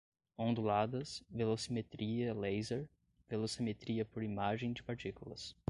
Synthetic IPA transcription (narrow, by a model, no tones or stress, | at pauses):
õnd̪ulad̪ɐsvelosimet̪ɾiɐlejzeɾ | velosimet̪ɾiɐpoɾimaʒẽj̃d͡ʒɪpaɾt͡ʃikulɐ̰s